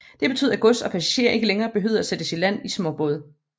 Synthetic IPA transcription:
d̥e̝b̥e̝t͡sʰy̰ð̰ˠɐæɡ̥ɔ̽sd̥ɒ̽pʰæsæɕe̝̰ɐʔe̝ɡ̥əleŋɐːb̥e̝ɦø̰ðˠɐæsed̥əsilæn̰ismɔ̽b̥ɔ̽ð̞ˠ

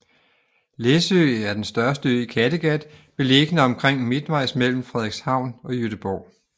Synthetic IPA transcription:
lesøæɐd̥ensd̥ɶɐsd̥əøkʰæd̥əɡ̥æd̥ʋe̝le̝ɡ̥nəɒ̽mkʰʁeŋ̰mid̥ʋɑ̈ɪ̰smel̰m̩fʁɛðˠeɡ̥shɑ̈ʊ̰nɒ̽jøɾ̥əb̥ɒː

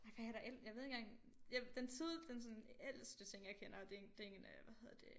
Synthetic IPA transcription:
ɑ̈ɪ̰fæhæɾɑɐʔeljɑ̈e̝ðˠeŋɡ̥ɑŋ | jad̥ent͡sʰið̰ˠd̥ensɔ̽nel̰sd̥ət͡sʰe̝ŋ̰jɑ̈ɪkʰenɐɒd̥ed̥eeŋnəʋæheð̞ˠɐd̥e̝

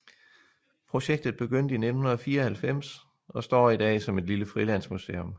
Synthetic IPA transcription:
pʰʁo̝ɕeɡ̥̚d̥ð̩ˠb̥e̝ɡ̥øn̰d̥əined̥n̩hunɐðˠɒfiːɐɒhælfem̰s | ɒ̽sd̥ɒ̰ːid̥ɛ̰ːsɒ̽me̝d̥liləfʁilæn̰smusḛːom

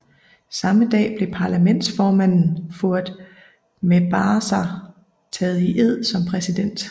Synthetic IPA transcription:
sɑ̈məd̥ɛ̰ːb̥le̝pʰɑ̈læmen̰d̥sfɒːmæn̰n̩foɐ̰d̥ | meb̥ɑːsɑ | t͡sʰɛːð̞̩ˠiʔeð̞̰ˠsɒ̽mpʰʁɛsid̥en̰d̥

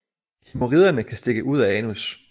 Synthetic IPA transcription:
hʰimoʁiðˠɐnəkʰæsd̥e̝ɡ̥əʔuð̰ˠæɛːnus

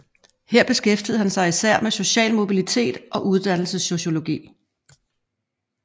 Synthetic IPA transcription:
heɐ̰b̥e̝sɡ̥efd̥ið̞̩ˠhænsɑ̈ɪisæɐ̰meso̝ɕɛ̰ːlmo̝b̥ilit͡sʰe̝̰ːd̥ʔɒ̽ʔuð̞ˠd̥æn̰l̩səsːo̝ɕo̝lo̝ɡ̥ḭː

